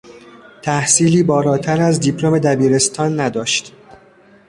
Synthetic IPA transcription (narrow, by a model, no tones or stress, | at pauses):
t̪ʰæhsiːliːbɒːlɒːt̪ʰæɾæzd̪ipʰlome̞d̪æbiːɾe̞st̪ʰɒːnːæd̪ɒːʃt̪